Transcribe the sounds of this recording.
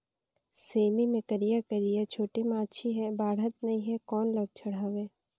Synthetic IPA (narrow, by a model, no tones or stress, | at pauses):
seːmimẽkəɾijakəɾijat͡ʃʰoːʈimãːt͡ʃʰiɦɛbaːɽɦət̪̚nɐɦĩɦɛkɔːnləɡ̚t͡ʃʰɐɽ̤aʋeː